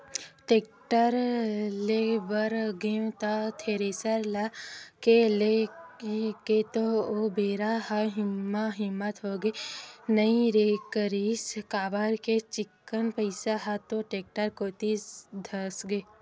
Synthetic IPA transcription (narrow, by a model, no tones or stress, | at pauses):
ʈeːk̚ʈəɾlebəɾɡeũt̪at̪ʰeːɾesəɾlakele | ket̪oobeːɾaɦaɦɪmːaɦɪmːət̪ɦoɡenəĩɾekəɾiːskaːbəɾket͡ʃɪkːənpəɪsaɦat̪oʈeːk̚ʈəɾkoːt̪id̪ʱɐsɡeː